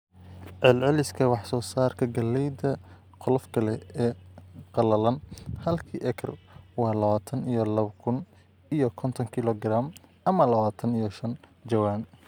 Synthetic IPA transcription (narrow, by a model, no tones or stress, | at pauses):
ʕɛlʕɛlɪskʰɐwɑħsɔːsaːrkʰɐɡɐlːɛjd̪ɐ | qɔlɔfkʰɐlɛɛːqɑlɐlɐnhɐlkʰiːʔɛkʰrwɑːlɐβaːt̪ʰɐnijɔlɐβkʰʊn | ijɔkʰɔnt̪ʰɔŋkʰɪlɔɡraːm | ɐmɐlɐβaːt̪ʰɐnijɔʃɐnd͡ʒɐwaːn